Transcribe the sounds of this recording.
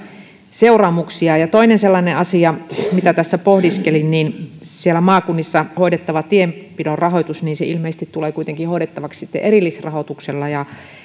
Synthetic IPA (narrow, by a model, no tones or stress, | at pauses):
seurɑːmuksiɑjɑt̪oinenselːɑneʔɑsiɑmit̪æt̪æsːæpohdiskelinniːnsielːæmɑːkunːisːɑhoidet̪ːɑʋɑt̪iempidorrɑɦojt̪usniːnseilmeˑisest̪it̪tuleːkuijt̪eŋkihoiɾet̪ːɑʋɑkssit̪ːḛʔerilːisrɑhot̪ukselːɑjɑ